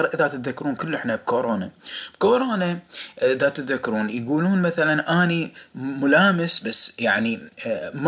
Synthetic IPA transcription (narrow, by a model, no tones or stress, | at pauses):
ɾʔɪðat̪ɪt̪ðakːɾuːnkʊlːʔɪħnab̚koːɾoːnab̥koːɾoːnaʔɪðat̪ɪt̪ðakːɾuːnjɡuːluːnmaθalanʔaːnimʊlaːmɪsbasːjaʕnim